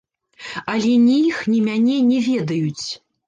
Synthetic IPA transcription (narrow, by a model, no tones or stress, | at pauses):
ɐlʲɛnʲijixnʲimʲanʲɛnʲɛvʲɛd̪ɐjut͡sʲ